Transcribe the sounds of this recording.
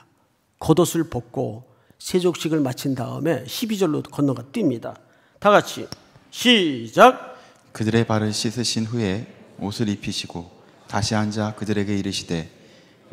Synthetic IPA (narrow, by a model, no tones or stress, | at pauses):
kʌdosʰɯɭpok̚k͈o̰ | sʰed͡ʑok̚ɕ͈iɡɯɭmat͡ɕʰindaɯ̰me̞ɕʰibid͡ʑʌɭːokʌnːʌɡat͈imɲida̰ | taɡat͡ɕʰḭ | ɕʰid͡ʑak̚ | kɯdɯɾe̞paɾɯɭɕʰisʰɯɕʰinɸue̞osʰɯɾipʰiɕʰiɡ̥o | taɕʰiɦand͡ʑakɯdɯɾe̞ɡe̞iɾɯɕʰide̞